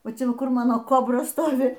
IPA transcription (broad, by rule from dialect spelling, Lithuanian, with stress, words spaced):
ˈʋɐ ˈt͡ʃʲɛ ˈʋɐ ˈkʊr ˈmɑːnoː ˈkoːbrɐ ˈstoːʋʲɪ